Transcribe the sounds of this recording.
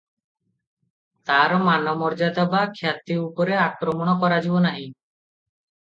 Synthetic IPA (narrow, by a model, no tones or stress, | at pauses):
t̪aɾɔmanɔmɔɾd͡ʒat̪abakʰjat̪iupɔɾeakɾɔmɔɽ̃ɔkɔɾad͡ʒibɔnaɦĩ